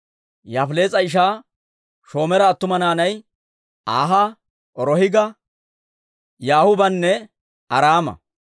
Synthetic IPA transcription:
jaːfle̞ːt͡sʼɐɪʃ̬aː | ʃo̞ːmɛɾɐːt̪ːʊmɐnaːnɐj | ʔaːɦɐ | ʔɔɾɔhɪɡɐ | jaːhʊbɐnːɛ | ɐɾaːmɐ̰

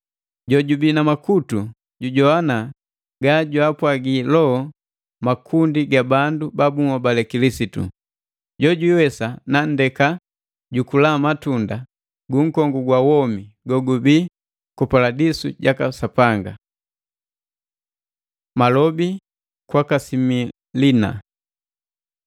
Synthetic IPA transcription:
ɟɔɟubinamakutu | ɟuɟɔana | ɡaɟuapwaɡilɔ | makʰundiɡabandubabuŋɔbalɛkilisitṵ | ɟɔɟuiwɛsanan̩dɛka | ɟukulamatunda | ɡuŋ̩kɔŋɡuɡwawɔmiɡɔɡubi | kupaladisṵɟakasapaŋɡa | malɔbi | kwakasimi | lina̰

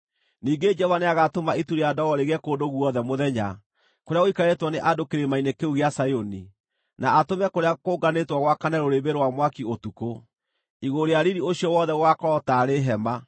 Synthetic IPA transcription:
niːŋɡed͡ʒɔvaneaɣatomaituɾeadɔɣɔɾeɣɛkodoɣuɔðɛmoðɛɲa | koɾeaɣoikaɾetwɔneʔadokeɾemainekeuɣeasajoni | naʔatomɛkoɾeakoːɡanetwaɣwakanɛɾoɾeβeɾowamwakiotuko | iɣoɾeaɾiɾioɕiɔwɔðɛɣwakɔɾɔtaɾeɦɛma

